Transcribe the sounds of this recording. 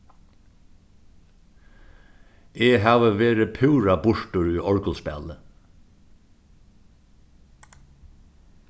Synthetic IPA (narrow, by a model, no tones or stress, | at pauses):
eːhɑːʋəʋeːɾəpʰʉːɹɑbʊʃʈəɹyːʔɔɹkəlspɛ̰lə